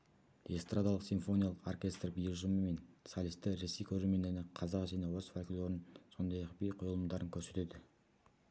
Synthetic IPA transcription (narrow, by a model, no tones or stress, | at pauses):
d̪est̪rad̪ɑlˠəqsinfo̞nʲijalˠəqo̞rkʲe̞st̪rbijlʒəməme̞nsalʲist̪ːɪɾe̞sejkʲʰɵɾelme̞nd̪eɾnɪqʰɑzɑqʒenewosfakʲlʲoɾɪnso̞nd̪ɑjɑqbejqʰo̞jlˠəmd̪ɑɾəŋkʲʰɵɾse̞t̪e̞d̪ɪ